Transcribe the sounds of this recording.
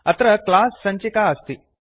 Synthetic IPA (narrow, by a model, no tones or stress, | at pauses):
ɐt̪ɾɐklaːsːɐɲt͡ʃikaɐst̪i